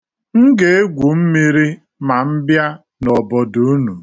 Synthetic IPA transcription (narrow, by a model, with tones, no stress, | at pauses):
ŋ̩˦ɡe˨e˦ɡʷu˨m̩˦mi˦ɾi˦ | ma˨m̩˦bja˦ | nɔ˨bɔ˨do˦nu˨